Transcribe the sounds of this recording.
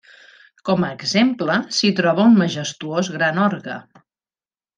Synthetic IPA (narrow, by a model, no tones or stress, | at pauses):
kɔməːɡzempləsit̪ɾɔβ̞əunməʒəst̪uozɣɾanɔɾɣə̰